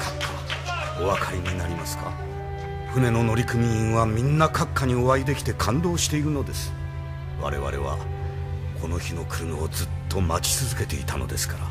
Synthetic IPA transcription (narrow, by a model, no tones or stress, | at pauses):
o̞βakʰaɾʲiɲ̟inaɾʲimasɨ̥ka̰ | ɸɯ̟ne̞no̞no̞ɾʲikɯ̟mʲĩβamʲĩnːakakːaɲ̟io̞βaid̪e̞kʲi̥t̪e̞kʰãnd̪o̞ːɕi̥t̪e̞iɾɯ̟no̞d̪e̞sɨ̥ | βa̰ɾe̞̰βa̰ɾe̞̰βa̰ | kʰo̞no̞çino̞kɯ̟ɾɯmao̞d͡zɨt̪ʰːo̞mat͡ɕi̥t͡sɨzɨke̞t̪e̞ḭt̪ano̞̰d̪e̞̰sɨ̥kaɾa